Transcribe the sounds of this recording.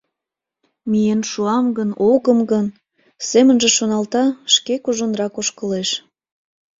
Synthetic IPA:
mijənʃuɑmɡənoɣəmɡən | semənʒĕʃonɑlt̪ɑʃkekuʒonrɑkoʃkəleʃ

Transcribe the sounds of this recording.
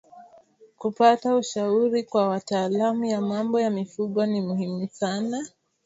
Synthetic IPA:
kupatauʃauɾikwawataːlamujamambɔjamifuɠwanimuhimusana

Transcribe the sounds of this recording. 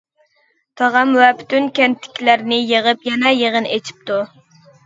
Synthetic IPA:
t̪ʰɑʁɑmwɛpʰy̥t̪ʰynkʲɛnt̪ʰːɪ̥kʲʰilæɾnɪjəʁəpjɛnɛjəʁənet͡ʃʰi̥p̚t̪u

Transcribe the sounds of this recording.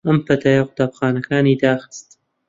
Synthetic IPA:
ɐmpɐt̪ʰaːjaqʊt̪aːpxaːnɐkʰaːniːd̪aːxɨ̥st̪

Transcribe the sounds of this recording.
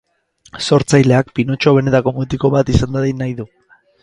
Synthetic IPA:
so̞ɾt͡sajle̞ak̚pino̞t͡ʃo̞β̞e̞ne̞t̪ako̞mot̪iko̞βat̪isand̪aðinajðu

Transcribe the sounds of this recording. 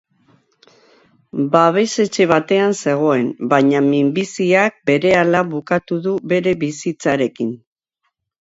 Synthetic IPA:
baβ̞e̞se̞t͡ʃe̞β̞at̪e̞anse̞ɣ̞o̞e̞nbaɲamimbisiak̚be̞ɾe̞alaβukat̪uðuβe̞ɾe̞βisit͡saɾe̞kin

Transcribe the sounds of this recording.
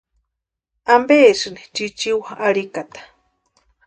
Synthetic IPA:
ambeːʂɨnit͡ʃit͡ʃiwaaɽikat̪ḁ

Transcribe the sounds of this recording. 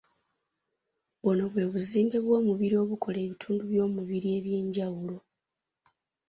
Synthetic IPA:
βono̞βwe̞ːβuziːmbe̞βwo̞ːmuβiɾio̞ːβuko̞le̞ːβitʰuːnduβjo̞ːmuβiɾie̞ːβje̞ːɲɟawulo̞

